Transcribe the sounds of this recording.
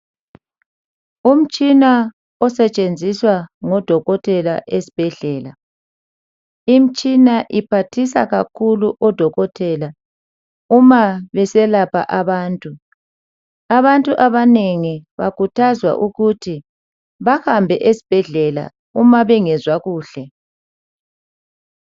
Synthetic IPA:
um̩t͡ʃʼina | ɔsɛt͡ʃʼend͡zʱiswaŋɔd̥ʱɔɣɔtʰɛla̰ʔesi̥b̥ʱɛɮɛːla | im̩t͡ʃʼinaʔipʰatʰis̬a̰ɣakʰuluʔɔd̥ʱɔɣɔtʰɛla | umaβɛsɛlapʰa̰ʔaβaːntʼu | aβantʼuʔaβaneŋiβakutʰazwa̰ʔuɣutʰi | βahambʱɛʔesi̥b̥ʱɛɮɛla̰ | umaβɛŋɛzwaɣuːɬɛ

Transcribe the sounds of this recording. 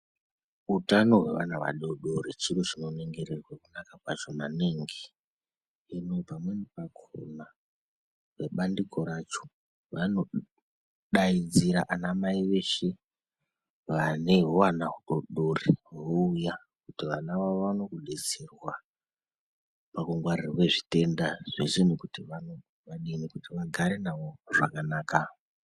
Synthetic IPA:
utano̞ɦwe̞̰ʋa̰naʋa̰ɗoɗoɾit͡ʃiɾot͡ʃino̞neŋɡeɾerwakunakakwaʒonaneŋɡi | inopamwe̞nipakʰo̰na | ʋeɓandikʰo̞ɾat͡ʃo̥ | ʋano̞ | ɗaid͡ziɾaʔanamaiʋe̞ʃe̞ | ʋane̞ɦowanaɦuɗoɗoriɦɦouja | kutiʋanaʋaano̞kuɗeserwa | pakuŋɡwarirokwe̞ʐite̞ndaʐ̥eʐinikutiʋano̞ | ʋaɗinikutiʋaɡʱaɾe̞naʋo̞ʐa̰kanaːka

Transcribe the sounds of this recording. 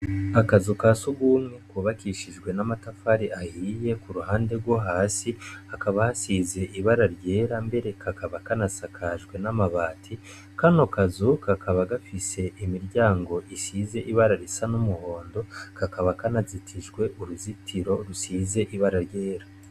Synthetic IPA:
akazukasuɡuːmŋekuβakiʃiʒɡwe̞namatafaɾiʔahiːje̞kuɾuhaːnde̞ɾɡwo̞ɦaːsiakaβahasize̞ʔiβaɾaɾɟe̞ːɾambe̞ɾe̞kʰakaβakanasakʰaʒɡwe̞namaβaːtʰi | kano̞kazukakaβaɡafise̞ʔimiɾɟaːŋɡo̞ʔisiːze̞ʔiβaɾaɾisanumuho̞ːndo̞kakaβakanazitʰiʒɡwe̞ʔuɾuzitʰiɾo̞ɾusiːze̞ʔiβaɾaɾje̞ːɾa

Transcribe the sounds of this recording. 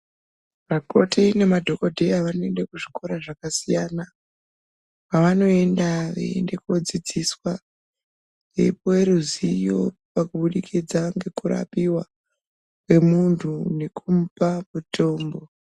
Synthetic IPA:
ʋako̞tine̞madʱo̞ko̞dʱe̞jaʋano̞e̞nde̞kuʐikoɾaʐakasijana | paʋano̞e̞ndaʋa̰ḛnde̞kuod͡zid͡ziswa | eipoweɾuzijo̞pakuɓuɗikʰid͡zaŋɡe̞kuɾa̰piwa | we̞muntʰune̞kʰum̩pamuto̞ːmbo̞

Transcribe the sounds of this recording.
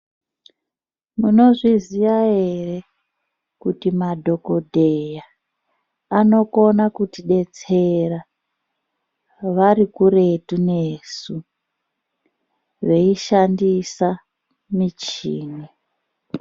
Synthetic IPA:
muno̞ʐiziʋae̞re̞ | kutimadʱo̞ko̞dʱe̞jaː | no̞ko̞nakutiɗe̞t͡se̞ra | ʋaɾikure̞tunesu | ʋe̞iʃandisa | mit͡ʃiːni

